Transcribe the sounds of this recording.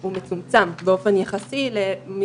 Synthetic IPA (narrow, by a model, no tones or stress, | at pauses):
umet͡sumt͡sambeo̞fe̞njaχasilemi